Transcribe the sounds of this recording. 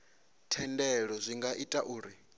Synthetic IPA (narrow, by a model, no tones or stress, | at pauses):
tʰɛndɛɺɔzʷiŋɡaʔitʼaʔuːɾi